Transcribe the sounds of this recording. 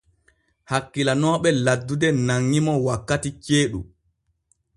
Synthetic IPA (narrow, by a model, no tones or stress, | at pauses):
hakːilanɔːɓɛladːudɛnaŋːimɔwakːatit͡ʃeːɗṵ